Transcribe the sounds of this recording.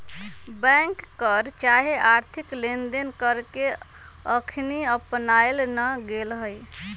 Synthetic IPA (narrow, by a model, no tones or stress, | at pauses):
bɛ̃ŋkːəɾt͡ʃaɦeʔaɾt̪ʰiklend̪enkəɾke | əkʰniəpnajlnəɡelɦəj